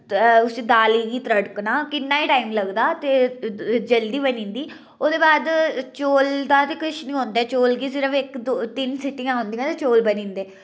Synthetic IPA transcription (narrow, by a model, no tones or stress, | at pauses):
ʊsiːd̪aːliːɡiːt̪ɾəɽknãːkɪnːaːiːʈaːɪmləɡd̪aːt̪eːd͡ʒəld̪iːbənĩːnd̪iː | oːd̪eːbaːd̪t͡ʃoːld̪aːt̪eːkʊʃnĩːɦõːnd̪aːt͡ʃoːlɡiːsɪɾəfɪkd̪ot̪ɪnsɪʈːɪjãːɦõnd̪ĩːãːt̪eːt͡ʃoːlbənĩːnd̪eː